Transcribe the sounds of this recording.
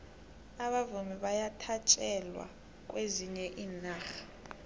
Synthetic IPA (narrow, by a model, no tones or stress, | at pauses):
aɓavumiɓajatʰat͡ʃʼɛlwa̰ | k̬ʼweziɲɛʔiːnaːxḁ